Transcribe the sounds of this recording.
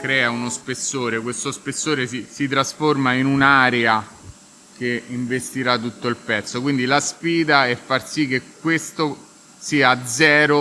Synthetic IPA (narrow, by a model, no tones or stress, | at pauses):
kɾɛːaunospesːoːɾekwest̪ospesːoːɾesisit̪ɾasformainunaːɾea | keiɱvest̪iɾat̪ːut̪ːoilpɛt̪sːokwind̪ilasfiːd̪aɛfːarsikːek̚ːwest̪o | siːad̪zɛːɾo